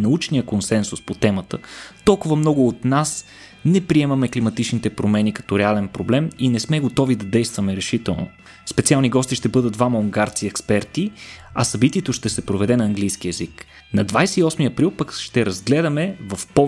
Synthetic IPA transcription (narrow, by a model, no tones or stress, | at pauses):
nɐut͡ʃnijəkonsɛnsuspot̪ɛmət̪ət̪ɔlˠkʊvɐmnɔɡʊːt̪nas | nɛpɾiɛmɐmɛklimɐt̪it͡ʃnit̪ɛpɾomɛnikɐ̥t̪ɔɾɛalɛnpɾoblɛminɛsmɛɡot̪ɔvid̪ɐd̪ɛjst̪vɐmɛɾɛʃit̪ɛlˠno̰ | spɛt̪sialˠniɡɔst̪iʃt̪ɛbɤd̪əd̪̚d̪vamɐuŋɡaɾt̪siɛkspɛɾt̪iɐsɐbit̪iɛt̪oʃt̪ɛsɛpɾovɛd̪ɛnɐɐːŋɡlijsk̟iɛzik | nɐd̪vajsɛiɔsmiɐpɾilˠpəkʃt̪ɛɾɐzɡlɛd̪ɐmɛvɐfpɔ